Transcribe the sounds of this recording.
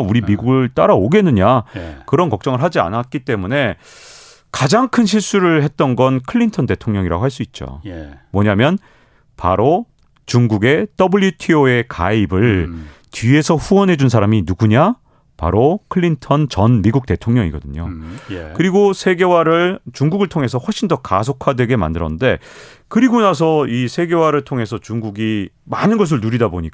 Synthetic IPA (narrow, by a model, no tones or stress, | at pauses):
uɾimiɡuɡɯɭt͈aɾaoɡe̞nːɯɲakɯɾʌnkʌk̚t͡ɕ͈ʌŋɯɭɦad͡ʑia̰nat̚k͈it͈e̞mune̞ | kad͡ʑaŋkʰɯnɕ̬ʰiɭs͈uɾɯɭɦe̞t̚t͈ʌnɡʌnkʰɯɭːintʰʌnde̞tʰoŋɲʌŋiɾa̰ɡoɦaɭs͈uit̚t͡ɕ͈o̰mwʌɲamjʌn | pa̰ɾo | t͡ɕuŋɡuɡe̞t͈ʌbɯɭjitʰioe̞ka̰ibɯɭ | tɥie̞sʰʌɸuʌnɦe̞d͡ʑunsʰaɾaminuɡuɲa | pa̰ɾokʰɯɭːintʰʌnt͡ɕʌnmiɡuk̚t͈e̞tʰoŋɲʌŋḭɡʌ̰dɯɲo̰kɯɾiɡosʰe̞ɡewaɾɯɭt͡ɕuŋɡuɡɯɭtʰoŋɦe̞s̬ʰʌɸwʌɭɕ͈ʰindʌkas̬ʰokʰadwe̞ɡe̞ma̰ndɯɾʌnnde̞ | kɯɾiɡonas̬ʰʌisʰe̞ɡe̞waɾɯɭtʰoŋɦe̞sʰʌt͡ɕuŋɡuɡi | manɯnɡʌs̬ɯɭnuɾidaboɲik